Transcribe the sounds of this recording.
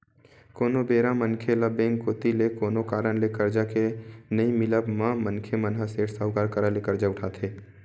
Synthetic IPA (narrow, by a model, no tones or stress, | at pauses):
koːnobeːɾãmənkʰeləbẽːŋɡkoːt̪ilekoːnokaːɾəɽ̃lekəɾd͡ʒakenəĩmɪləbmãmənkʰemənɦaseːʈʰsaɦʊkaɾkəɾalekəɾd͡ʒaʊʈʰaːt̪ʰɦeː